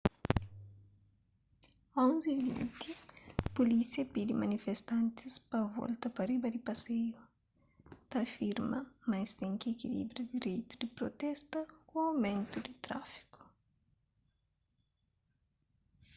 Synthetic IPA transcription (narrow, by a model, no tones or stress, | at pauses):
õnzivḭ̃nt̪ipulisiɐpid̪imɐnifest̪ãnt̪ispɐvɔ̰lt̪ɐpɐribɐd̪ipɐseju | t̪ɐfiɾmɐmajst̪ɛ̃ŋkiekilḭbɾjud̪iɾejt̪ud̪ipɾot̪ɛst̪ɐkũawmẽnt̪ud̪it̪ɾa̰fi̥ku̥